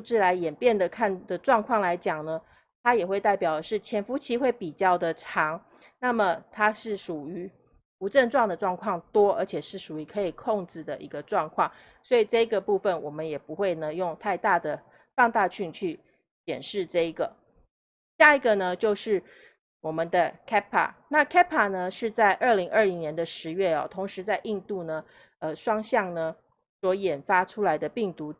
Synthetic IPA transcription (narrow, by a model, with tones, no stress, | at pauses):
ʈ͡ʂɻ̩˥˩la˧˥ɪjɛ˨˩npjɛ˥˩nd̪ə˩kʰa˥˩nd̪ə˩ʈ͡ʂwɑ˥˧ŋkʰwɑ˥˩ŋla˧˥ɪt͡ɕjɑ˨˩ŋnə˦ | t̪ʰa˥jɛ˨˩xwe˥˧ɪt̪a˥˩ɪpjɑ˨˩ʊd̪ə˦ʂɻ̩˥˩t͡ɕʰjɛ˧˥nfu˧˥t͡ɕʰi˧˥xwe˥˩ɪpi˨˩t͡ɕjɑ˥˩ʊd̪ə˨ʈ͡ʂʰɑ˧˥ŋ | na˥˩mə˨˩t̪ʰa˥ʂɻ̩˥˩ʂu˨˩y˧˦ | u˧˥ʈ͡ʂə˥˧nʈ͡ʂwɑ˥˩ŋd̪ə˩ʈ͡ʂwɑ˥˧ŋkʰwɑ˥˩ŋt̪wɔ˥ə̰˞˧˥t͡ɕʰjɛ˨˩ʂɻ̩˥˩ʂu˨˩y˧˥kʰɤ˧˥i˨˩kʰo˥˧ŋʈ͡ʂɻ̩˥˩d̪ə˩ʔḭ˧˦˥ɡə˧ʈ͡ʂwɑ˥˧ŋkʰwɑ˥˩ŋ | swɔ˧˥i˨˩ʈ͡ʂɤ˥˩˧i˧˦ɡə˨pu˥˩fə˩nwɔ˨˩mə˦njɛ˨˩pu˧˦xwe˥˩ɪnə˨jo˥˧ŋt̪ʰa˥˧ɪt̪a˥˩d̪ə˩ | fɑ˥˧ŋt̪a˥˧t͡ɕʰy˥˧nt͡ɕʰy˥˩ | ɕjɛ˨˩nʂɻ̩˥˧ʈ͡ʂɤ˥˩i˧˥ɡə˩ | ɕja˥˩i˧˥ɡə˨nə˩t͡ɕjo˥˧ʊʂɻ̩˥˩ | wɔ˨˩mə˨nd̪ə˧kʰɛ˥pʰa̰˨˩na˥˨kʰɛ˥pʰa˨˩nə˨ʂɻ̩˥˧t͡sa˥˧ɪʔə˞˥˩li˧˥ŋʔə˞˥˩li˧˥ŋnjɛ˧˦nd̪ə˨ʂɻ̩˧˦ɥɛ˥˩ɔ̰˨˩t̪ʰo˧˥ŋʂɻ̩˧˥t͡sa˥˧ɪʔi˥˧ŋt̪u˥˩nə˩ | ə˧ʂwɑ˥ŋɕjɑ˥˩ŋnə˩ | swɔ˧˥jɛ˨˩nfa˥ʈ͡ʂʰu˥la˧˥ɪd̪ə˧pi˥˩ŋt̪u˧˥